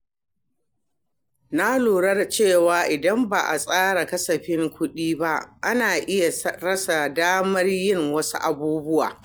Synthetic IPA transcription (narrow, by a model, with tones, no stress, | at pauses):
na˦luː˨ɽɐ˦rt͡ʃeː˦˨waː˨ʔɪ˨dɐ˦mba˨ʔa̰˨sʼaː˦ɽa˨kɐ˦sɐ˨ɸɪ˦ŋkʷʊ˦ɗiː˦ba˦ʔʔa˦naː˨ʔɪ˦ja˨˦ɾɐ˦sa˨daː˦mɐ˦rjɪ˦˨ŋwɐ˦su˦ʔa˨buː˦bʊ˦wa̰ː˨